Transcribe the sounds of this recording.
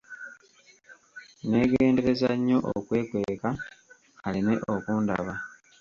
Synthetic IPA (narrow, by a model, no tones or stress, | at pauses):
ne̞ːɡe̞ːnde̞ɾe̞zaɲːo̞ʔo̰kwe̞ːkwe̞ka | aline̞ʔokuːnda̰βa